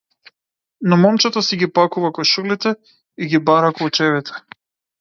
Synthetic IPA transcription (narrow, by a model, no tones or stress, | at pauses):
nɔmɔmt͡ʃɛt̪asɛɡipakuvakɔnʃulit̪ɛ | iɡibaɾakɔut͡ʃɛβit̪ʰɛ̥